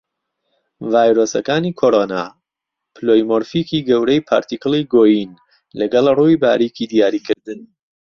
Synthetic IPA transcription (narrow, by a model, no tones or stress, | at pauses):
vaːjɾosɐkaːnikʰoɾoːna̰ː | pʰɨloːjmoɾfiːkiːɡɐwɾɛjpʰa̰ːɾt̪ikɨlˠiɡoːjin | lɐɡɐlˠruːjba̰ːɾikid̪ijaːɾiːkʰɨɾd̪ɨn